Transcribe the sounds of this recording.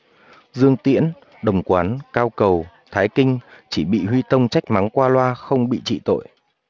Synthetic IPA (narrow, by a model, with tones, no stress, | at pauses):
zɨ˧əŋt̪ḭ˧˥ən | ɗə˨˩wŋ͡mkwaː˨˦nkaː˧wkə˨˩w | t̪ʰaː˨˦jkï˧ŋ̟t͡ɕi˧˩ɓḭ˧˨ɦwi˧t̪ə˧wŋ͡mt͡ɕa˦˥jk̟̚ma˨˦ŋkwaː˧lwaː˧xə˧wŋ͡mɓḭ˧˨t͡ɕḭ˧˨t̪o̰˧˨jʔ